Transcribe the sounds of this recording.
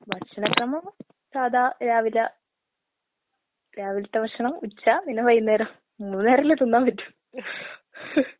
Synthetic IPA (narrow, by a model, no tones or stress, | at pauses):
bɐʂɐnɐkrɐmɐm | saːd̪aːɾaːʋilɐ | ɾaːʋilɐt̪ːɐʋɐʂɐɳɐmut͡ɕːaminɐʋɐjunːeːɾɐm | unneːɾɐilet̪unːaːmʋɐtːu̥